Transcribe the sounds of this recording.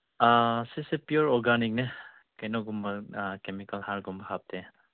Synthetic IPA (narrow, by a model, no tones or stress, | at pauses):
asisepijuɾɔɾɡanik̚nɐ | kɐjnɔɡumbɐkemikɐlhaɾɡumbɐhap̚tʰe